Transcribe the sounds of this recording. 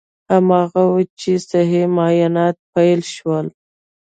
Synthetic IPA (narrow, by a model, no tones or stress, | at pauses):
hamɑɣawut͡ʃesaɦemɑjɑnɑt̪̚pajlʃwəl